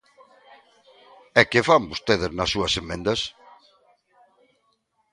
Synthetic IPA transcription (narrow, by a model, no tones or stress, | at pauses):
ɛkefambust̪eðɪznɐsːuɐsemẽnd̪ɐs